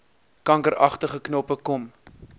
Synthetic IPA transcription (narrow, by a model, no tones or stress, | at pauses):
kɐŋkəɾɐ̰χtəχəknɔpəkɔm